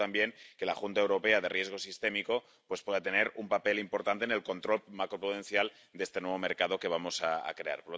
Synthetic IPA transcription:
ambjeŋke̞laxunt̪aewɾo̞pe̞að̞erje̞zɣ̞o̞sist̪e̞miko̞ | pwespwe̞ðat̪e̞neɾumpape̞limpo̞ɾt̪ant̪ene̞lko̞nt̪ɾo̞lmakɾopɾuðenθjal | d̪eest̪e̞nwe̞β̞o̞meɾkað̞o̞ke̞βamo̞saa̰kɾe̞a̰ɾpoɾlo

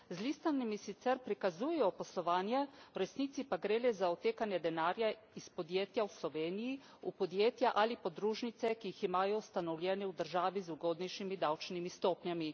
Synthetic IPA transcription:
zlist̪animisit̪sɛɾpɾikazuːjɛjɔposlɔʋaːnjɛwɾɛsniːt̪sipaɡɾeːlɛzaɔt̪eːkanjɛd̪ɛnaːɾja | ispod̪jeːt̪jawslɔʋeːniji | upod̪jeːt̪jaʔalipod̪ɾuːʒnit̪sɛkijiximaːjɔust̪anɔwlʲjɛːnɛud̪əɾʒaːʋizuɡoːd̪nɛjʃimid̪awt͡ʃnimist̪oːpɲjami

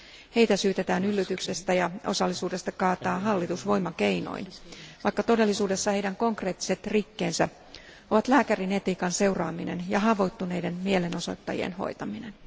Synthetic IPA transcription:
he̞it̪æsyːt̪et̪æːnylːyt̪ykse̞st̪æjɑo̞̰sɑlːisuːde̞st̪ɑkɑːt̪ɑːɦɑlːit̪usʋo̞jmɑkeino̞̰inʋɑjkːɑt̪o̞de̞lːisuːde̞sːɑhe̞jdæŋko̞ŋkre̞ːt̪ːi̥se̞t̪rikːe̞ːnsæ̰ | o̞ʋɑt̪læːkærine̞t̪iːkɑnse̞wrɑːmine̞̰njɑɦɑʋo̞it̪ːunejde̞nmiele̞no̞so̞̰t̪ːɑjḭḛnho̞̰jt̪ɑmine̞n

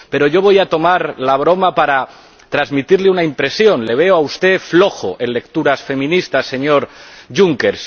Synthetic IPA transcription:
pe̞ɾo̞ʝo̞β̞o̞jat̪o̞maɾlaβ̞ɾo̞mapaɾa | t̪ɾazmit̪iɾleunaimpɾe̞sjo̞nle̞β̞e̞oaust̪e̞flo̞xo̰ʔe̞nle̞kt̪uɾasfe̞mĩnist̪ase̞ɲo̞ɾʝuŋke̞ɾs

